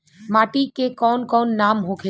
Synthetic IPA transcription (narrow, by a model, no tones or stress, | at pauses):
maːʈikekɔːnkɔːnːaːmɦokʰe